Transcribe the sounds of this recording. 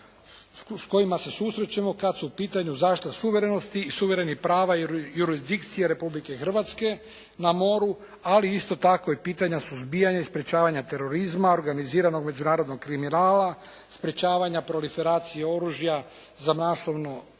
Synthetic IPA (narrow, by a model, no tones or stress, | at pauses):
sko̞jimase̞suːsɾet͡ɕemo̞kad̪suupiːt̪aɲuzaːʃtt̪asuʋe̞ɾe̞no̞st̪iːsuʋe̞ɾe̞nixpɾaːʋajuɾizd̪ikt̪sijeɾe̞publike̞xr̩ʋat̪ske̞ | namo̞ɾu | aliist̪o̞t̪ako̞ipiːt̪aɲasuzbijaɲaispɾe̞t͡ɕaːʋaɲat̪e̞ɾo̞ɾizmaoɾɡaniziːɾano̞ɡme̞d͡ʒunaːɾo̞d̪no̞ɡkɾiminaːla | spɾet͡ɕaːʋaɲapɾo̞life̞ɾaːt̪sijeo̞ɾuʒja | zamasoʋno